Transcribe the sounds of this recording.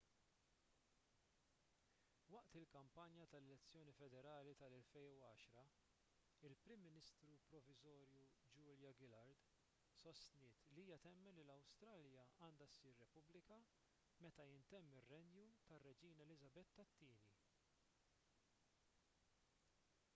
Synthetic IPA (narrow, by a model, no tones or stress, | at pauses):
wɐʔt̪ɪlkɐmpɐnjɐt̪ɐlɛlɛt͡sːjɔːnifɛd̪ɛɾɐːlit̪ɐlɛlfɛjnuɐːʃɾɐ | ɪlpɾɪmːɪnɪst̪ɾupɾɔvɪzɔːɾjud͡ʒʊːljɐɡɪlɐɾd̪ | sɔst̪nɪːt̪liiːjɐt̪ɛmːɛlilɐwst̪ɾɐːljɐɐːnd̪ɐsːiːɾːɛpʊblɪkɐ | mɛt̪ɐjɪnt̪ɛmːɪrːɛnjut̪ɐrːɛd͡ʒiːnɛlɪzɐbɛt̪ːɐt̪ːiːni